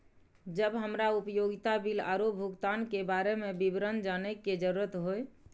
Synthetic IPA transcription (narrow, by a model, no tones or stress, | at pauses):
d͡ʒəbɦəmɾaupjoɡit̪abila̰ɾobʱuɡt̪ankebaɾemebibɾənd͡ʒanɛkːed͡ʒəɾuɾət̪ɦoj